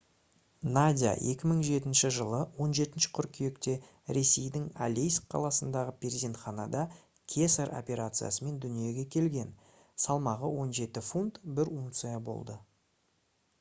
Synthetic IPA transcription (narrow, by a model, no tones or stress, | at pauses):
nad̪ʲija̰je̞kʲɪməɴʒe̞t̪ɪnʃɪʒəlˠəwo̞nʒe̞t̪ɪnʃɪ̥qʰʏɾkʲʰije̞kt̪e̞ | ɾe̞se̞jd̪ɪŋa̰lejskqʰːɑ̰lˠɑsənd̪ɑʁəpʰʲeɾzʲent̪χɑnɑd̪ɑ | kʲʰesaɾo̰pʲe̞ɾat̪sɨja̰səme̞nd̪ʏnije̞ɡʲe̞kʲʰe̞lɡʲe̞n | sɑlˠmɑʁəwo̞nʒe̞t̪ɪfunt̪bɪɾuŋt̪sɨjabo̞̰lˠd̪ə